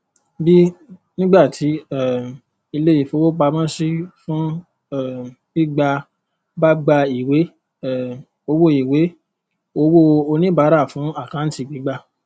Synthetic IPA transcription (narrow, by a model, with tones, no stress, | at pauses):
bi˦nĩ˦ɡ͡ba˦˨tʰi˨˦ɛ˦˨ | i˧le˦i˨fo˧wo˦k͡pa˧mã˦si˦fũ˦ | ɛ˦˨ | i˦ɡ͡ba˧ | ba˦ɡ͡ba˧i˨we˨˦ | ɛ˨ | o˧wo˦i˨we˨˦ | o˧wo˦o˧nĩ˦ba˨˦ɾa˦˨fũ˨˦a˦˨kã˨˦n̩˦ti˦˨ɡ͡bi˨˦ɡ͡ba˦˧